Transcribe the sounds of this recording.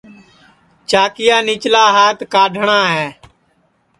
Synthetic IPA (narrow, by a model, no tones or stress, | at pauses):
t͡ʃaːkɪjaːnɪt͡ʃlaːɦaːt̪kaːɖʱɳaːɦɛː